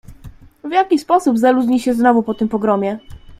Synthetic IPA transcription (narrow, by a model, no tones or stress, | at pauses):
vjakʲispɔsubzaluʑɲiɕɛznɔvupɔt̪ɘmpɔɡɾɔmʲjɛ